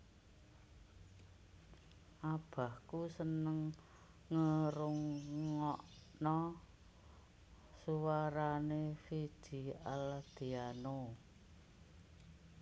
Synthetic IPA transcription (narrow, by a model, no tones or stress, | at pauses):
ʔab̥a̤hkusənəŋː | əɾʊŋːɔʔnɔ | suwaɾanefid̥i̤ald̪̥i̤ano